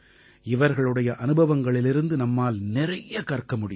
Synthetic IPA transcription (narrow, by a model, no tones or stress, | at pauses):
ɪʋɐɾɣɐɭɯɽɐjɐʔɐnɯbɐʋɐŋɡɐɭɪlɪɾɯnd̪ɯnɐmːaːlnɪrɐjɐkɐrkɐmʊɽɪ